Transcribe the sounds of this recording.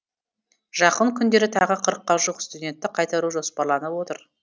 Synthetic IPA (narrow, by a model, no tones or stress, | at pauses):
ʒ̥ɑqəɴkʲʰʏnd̪e̞ɾɪt̪ʰɑʁəqʰəɾəqːɑʒuqst̪ud̪ʲe̞nt̪ːɪqʰɑjt̪ɑɾuʒo̞spɑɾlˠɑnəpwo̞t̪əɾ